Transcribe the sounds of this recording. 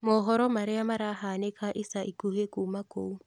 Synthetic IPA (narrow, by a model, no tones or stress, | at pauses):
mɔɦɔɾɔmaɾeamaɾaɦanekʰaʔisaʔikuhekumakou